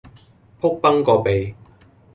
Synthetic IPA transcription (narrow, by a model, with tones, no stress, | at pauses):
pʰʊ˥k̚pɐ˥ŋkɔː˧pe˨j